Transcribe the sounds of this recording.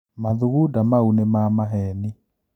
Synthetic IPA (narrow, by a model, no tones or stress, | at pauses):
maðuɣudamaunemamaɦɛni